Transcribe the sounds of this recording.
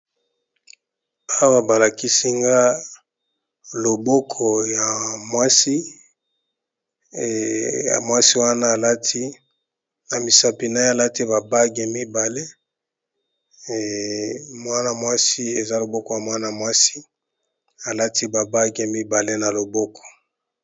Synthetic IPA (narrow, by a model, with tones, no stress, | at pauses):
a˦wa˦ba˨la˨ki˦si˦ŋɡa˦ | lo˨bɔ˦kʰɔ˨ja˨mwa˦si˦ | a̰˨mwa˦si˦wa˦naː˦˨la˦tʰi˦ | na˨mi˨sa˨pi˨na˦e˦a˨la˦ti˦ba˨ba˦ɡe˨mi˦ba˨le˦˨ | mwa˦na˨mwa˦si˦e˨za˦lo˨bɔ˦kɔ˨ja˨mwa˦na˨mwa˦si˦ | a˨la˦ti˦ba˨ba˦ɡe˨mi˦ba˨le˦na˨lo˨bɔ˦kʰɔ̥˨